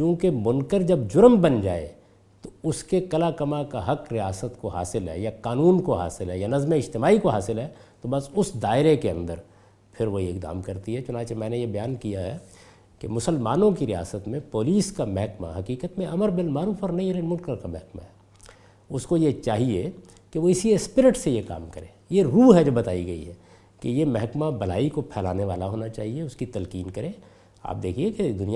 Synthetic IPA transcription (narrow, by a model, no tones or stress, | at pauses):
t͡ʃũːkemʊnkəɾd͡ʒɐbd͡ʒʊɾmbɐnd͡ʒaːḛ | t̪oʊskekɐlaːkɐmakaɦɐkɾijaːsət̪koɦa̰ːsɪlɦɛ̰ːjakaːnuːnkoɦa̰ːsɪlɦɛjanɐzmeɪd͡ʒt̪ɪmaːikoɦaːsɪlɦɛt̪obɐsʊsd̪aːɪɾekeɐ̰̃nd̪əɾ | pʰɪɾʋoɦiɪkd̪a̰ːmkɐɾt̪iɦɛt͡ʃʊnãːt͡ʃemɛ̃ːnejebɐjaːnkijaɦɛ | kemʊsəlmaːnõkiɾija̰ːsət̪mẽpoːliːskamɛɦkma̰ɦɐkiːkət̪mẽɐməɾbɪlmaːɾuːfɔɾnɐɦĩɾenmʊlkəɾkamɛɦkma̰ɦɛ | ʊskojet͡ʃaːɦie | keʋoɪsiespɪɾɪʈsejeka̰ːmkɐɾẽːjeɾuːɦɛd͡ʒɐbɐt̪aːiɡɐḭɦɛː | kejemɛɦkmabɐlaːikopʰɛːlaːneʋaːlaɦoːnat͡ʃaːɦieʊskit̪ɐlkiːnkɐɾẽː | a̰ːp̚d̪eːkʰieked̪ʊnij